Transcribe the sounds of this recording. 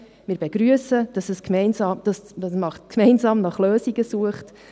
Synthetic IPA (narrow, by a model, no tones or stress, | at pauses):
mɪːɾbeɡɾyəsəd̥ɑsɛskmɛɪnsɑːmd̥ɑsɑsmɑχtkʰmɛɪnzɑːmnɑχløːsiɡəsuəχt